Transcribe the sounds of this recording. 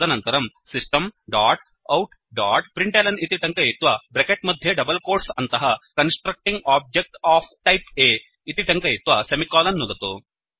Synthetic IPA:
ɐnɐnt̪ɐɾɐmsisʈɐmɖaːʈ | ɐwʈ | ɖaːʈpɾiɳʈelɐnit̪iʈ̪ɐŋkɐjit̪ʋɐbɾekeʈ̚mɐd̪ʱjeɖɐbɐlkoːɾsɐnt̪ɐɦɐkɐnsʈɾɐk̚ʈiŋɡaːb̚d͡ʒek̚ʈaːpʰʈɐjpeː | it̪iʈɐŋkɐjit̪ʋɐsemikaːlɐnːud̪ɐt̪u

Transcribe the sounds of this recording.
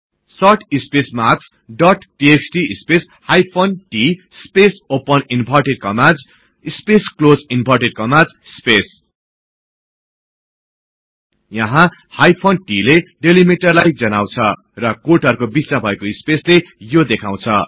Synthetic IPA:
sʌʈʰispesmat͡sʰ | ɖʌʈʈieksʈiispes | hajpʰonʈi | spesopʌninpʌrʈeɖ̚kʌmad͡z | ispesklozinbʱʌrʈeɖ̚kʌmad͡z | spes | jʌɦã | hajpʰonʈileɖelimeʈʌrlajd͡zʌnaw̃t͡sʰʌ | rʌkoʈʌɾkobit͡sãbʱʌekoispeslejod̪ekʰaw̃t͡sʰʌ

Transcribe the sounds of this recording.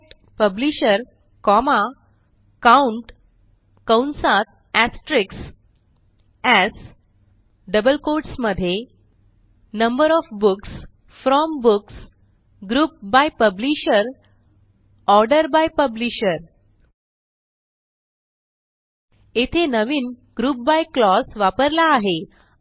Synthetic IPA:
ʈ | pəbliɕəɾ | kɔma | kauɳʈ | kəwnsat̪̚ | æsʈɾiks | æs | ɖəbəlkoɾʈsməd̪ʱːje | nəmbəɾɔfbuks | fɾɔmbuks | ɡɾuːp̚bajpəbliɕəɾ | ɔɾɖəɾbajpəbliɕəɾ | et̪ʰenəʋiːnɡ̥ɾuːp̚bajklɔsʋapəɾlaːɦe

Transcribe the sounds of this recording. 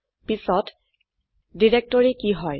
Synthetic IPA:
pisɔt | diɹek̚tɔɹikiɦɔj

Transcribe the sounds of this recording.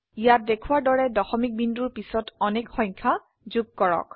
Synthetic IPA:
ijat̚dekʰʊwaɹdɔɹɛdɔxɔmik̚binduɹpisɔtɔnɛkxɔjɲkʰa | zuɡ̚kɔɹɔ̰k

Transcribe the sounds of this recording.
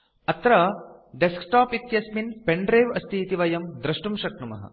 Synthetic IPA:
ɐt̪ɾɐɖesksʈaːpit̪jɐsminpeɳɖɾeːʋɐst̪ʰiːt̪iʋɐjɐmd̪ɾɐʂʈumʃɐkɳumɐ̰ɦɐ̰

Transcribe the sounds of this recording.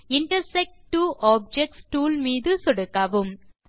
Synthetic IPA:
ɪɳʈɐɾsɛk̚ʈʈːuːʔaːb̚d͡ʒɛk̚ʈsʈuːlmiːðɯsɔɽɯkːaʋɯm

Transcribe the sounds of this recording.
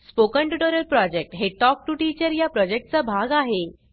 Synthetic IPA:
spokəɳʈuʈoɾəɾpɾɔd͡ʑek̚ʈɦeʈɔk̚ʈuʈit͡ɕəɾjapɾɔd͡ʑek̚ʈ̚t͡sabʱaɡaɦe

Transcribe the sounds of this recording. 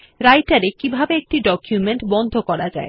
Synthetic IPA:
ɾajʈaɾekibʱabeek̚ʈiɖɔkjumeɳʈbɔnd̪ʱokɔɾad͡ʑa̰e

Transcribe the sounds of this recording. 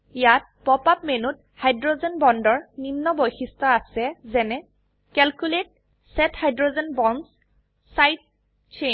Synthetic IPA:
jat̚pɔpap̚menut̚hajdɹozɛnbɔndɔɹninːɔbojxistɔasɛzɛnɛ | kɛlkulet̚ | sɛthajdɹozɛnbɔns | sajt̚ | t͡ʃʰen

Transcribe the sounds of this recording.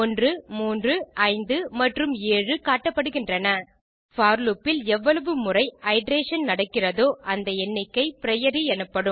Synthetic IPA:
ɔndrɯmuːndrɯɐɪnd̪ɯmɐʈrɯmeːɻɯkaːʈːɐpːɐɽɯɣɪndrɐnɐ | faːɾlupːɪlɛʋːɐɭɐʋɯmʊrɐɪɐɪɖɾeːʂɐnnɐɽɐkːɪrɐðoːʔɐnd̪ɐɛnːɪkːɐɪpɪɾɐjɐɾiɛnɯpːɐɽɯm

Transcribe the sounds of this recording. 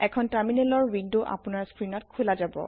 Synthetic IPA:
ɛkʰɔntaɹminɛlɔɹwindoʔa̰pʊnaɹskɹinɔt̚kʰulad͡ʒabɔ̰

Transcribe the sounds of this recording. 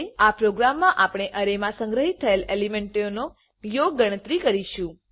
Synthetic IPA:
apɾoɡɾamːãʔapɽ̃eʔəɾemãsə̃ŋɡɾəɦit̪ʰːəelelimeɳʈjono | joɡ̚ːəɽ̃ət̪ɾikəɾiʃũ

